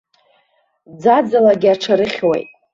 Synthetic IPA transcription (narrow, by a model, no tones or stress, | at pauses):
d͡zad͡zalaɡʲaʈ͡ʂʰaɾɨχʲwḛjtʼ